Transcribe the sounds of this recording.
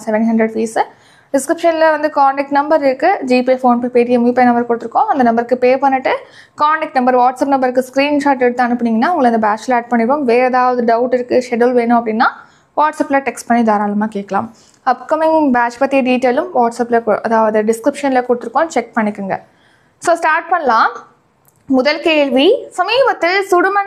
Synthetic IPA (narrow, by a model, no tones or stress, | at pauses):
sɛʋɛnɦɐndɾɛɖfiːs | ɖɪskɾɪpʂɐnlɐʋɐnd̪ɯkaːɳɖɛk̚ʈnɐmbɐɾɪɾɯkːɯd͡ʒiːpiefoːnppeːʈɪjɐmʋipːɐnɐmbɐɾkʊɽɯt̪ːɯɾɯkːõːɐnd̪ɐnɐmbɐɾɯkːɯpeːpɐɳːɯʈːɯ | kaːɳɖɛkʈnɐmbɐɾʋaːʈsɐpnɐmbɐɾɯkːɯskɾiːnʃaːʈ̬ɛɽɯt̪ːãːɐnɯpːɐɳiːŋɡɐnːaːʊŋɡɐɭɐɐnd̪ɐbaːt͡ʃleːʈ̚pɐɳːɪpːomʋeːɐðaːʋɐðɯɖɐʊʈɪɾɯkːɯʂɛɽɐlʋeːnʊ̃ɐpːɐɽɪnːaː | ʋaːʈsɐpːɪlɐʈɛksʈ̚pɐɳːid̪aːɾaːlɐmaːkeːʈkːɐla̰ːm | ɐpkɐmɪŋbaːt͡ʃpɐt̪ːijɐɖiːʈːeːlɯmʋaːʈsɐpːlɐkʔɐðaːʋɐðɯɖɪskɾɪpʂɐnlɐkʊɽɯt̪ːɯɾɯkːõt͡ʃɛk̚pɐɳːɪkːɯŋɡɐ | soːsʈaːɾʈ̚pɐɳːɐlãːm | mʊðɐlkeːɭʋisɐmiːbɐt̪ːɪlsʊɽʊmɐ